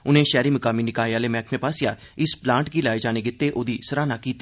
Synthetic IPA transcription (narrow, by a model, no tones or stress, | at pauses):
ʊnẽːʃɛːɾiːməkaːmiːnɪkaːiaːleːmɛːkʰmẽːpaːsɪjaː | ɪsplãːɳʈɡiːlaːeːd͡ʒaːneːɡɪt̪ːeːʔoːd̪iːsəɾaːnaːkiːt̪ːi